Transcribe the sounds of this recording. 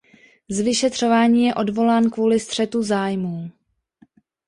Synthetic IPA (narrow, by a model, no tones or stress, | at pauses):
zvɪʃɛt̪r̝̥o̞vaːɲiːjɛʔo̞dvo̞laːnkvuːlɪst̪r̝̥ɛt̪uzaːjmuː